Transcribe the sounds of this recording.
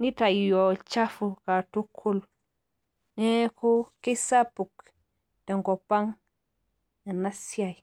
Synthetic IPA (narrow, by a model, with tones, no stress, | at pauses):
ni˦ta˨jo˨t͡ʃa˦fu˨ka˨tu˦kʰu˦l | ne˦ku˦ke˦sa˦pu˨k | te˨ŋɡo˨pa˦ŋ | na˨na˦sja˨j